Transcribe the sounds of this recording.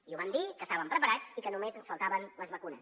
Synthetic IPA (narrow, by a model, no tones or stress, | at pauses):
iuβand̪ikəst̪aβəmpɾəpəɾat͡sikənumezənsfəlˠt̪aβənləzβəkunəs